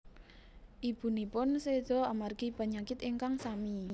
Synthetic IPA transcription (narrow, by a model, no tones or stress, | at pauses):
ʔib̥ṳnipʊnsed̪̥ɔamarkipaɲakɪt̪iŋkaŋsami